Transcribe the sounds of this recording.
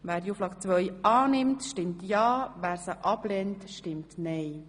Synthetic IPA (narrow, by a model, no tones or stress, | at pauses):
ʋæːɾdjuːflɑkt͡sʋœjʔɑːnɪmtʃtɪmtjɑːʋæːɾsəʔɑblɛntʃtɪmtnɛj